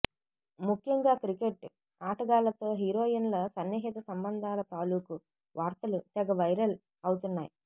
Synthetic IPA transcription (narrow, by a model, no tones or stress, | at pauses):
mukʰjɐŋɡaːkɾikeʈ | aːʈɐɡaːlɐt̪o̞ːɦiːɾoːd͡ʒɐnlɐsɐnːɐɦɛːt̪ɐsɐmbɐnd̪ʱaːlɐt̪aːluːku | ʋaːɾt̪ɐlut̪ɛɡɐʋɐjɾɐl | ɐwut̪unːa̰ːji